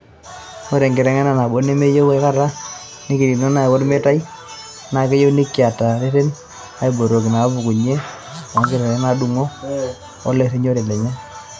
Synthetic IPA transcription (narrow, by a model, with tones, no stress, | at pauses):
o˦ɾɛ˨ŋɡɪ˨ɾɛ˨ŋɛ˦na˦na˨bo˦ne˦me˦jo˦we˦ka˦ɾa˦ | ni˦ki˨ɾi˨nɔ˦na˦ɛ˨wɔ˦ɾme˦ta˦i˦ | na˨kɛ˦jo˦ni˦kːɪ˨a˨ta˨ɾe˦se˦n | a˨˦i˨bo˨ɾo˨ki˨na˨˦bʊ˨ku˨ɲe˦ | a˨ŋkɪ˦ɾɛ˨ɛ˦na˨du˦ŋo˦ | ɔ˦le˦˨se˦ɲo˦ɾe˨lɛ˨ɲɛ˦